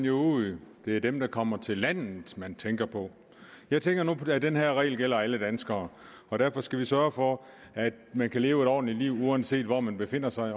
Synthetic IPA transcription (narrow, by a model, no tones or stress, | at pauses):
njod̥e̝æɐd̥emd̥ɑ̈kʰɒ̽m̰ɐt͡sʰe̝lːæn̰ð̩ˠmænt͡sʰeŋɡ̥ɐpʰɒ̽ | jɑ̈ɪt͡sʰeŋɡ̥ɐnuæd̥enɦæɐʁɛ̰ːɪlɡ̥el̰ɐæləd̥ænsɡ̥ɐː | ɒ̽d̥æɐ̰fɒ̽sɡ̥æʋisɶɐfɒ̽ | æd̥mænkʰæle̝ːʊe̝ɾɒ̰ːd̥n̩liliʊ̰uɒnse̝̰ːd̥ʋɒmænb̥e̝fe̝n̰ɐsɑ̈ɪ